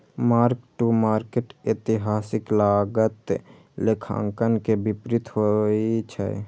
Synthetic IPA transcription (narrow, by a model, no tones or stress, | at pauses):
maːɾkʈumaːɾkeʈet̪ɪɦaːsɪklaːɡət̪ | lekʰã̰ŋkənkebɪpɾɪt̪hoit͡ʃʰɛ̰